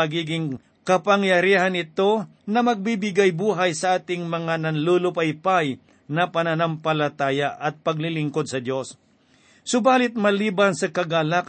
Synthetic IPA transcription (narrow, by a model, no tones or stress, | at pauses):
ɐɡiːɡɪŋ | kɐpɐŋjɐɾiːɦanɪt̪o̞ | nɐmɐɡ̚bibɪɡajbuːɦajsɐʔaːt̪ɪŋmɐŋanɐnlulʊpajpaj | nɐpɐnanampɐlɐt̪aːjaʔɐt̪̚pɐɡ̚lɪlɪŋkod̪̚sɐd̪jo̞s | sʊbaːlɪt̪̚mɐliːbansɐkɐɡalak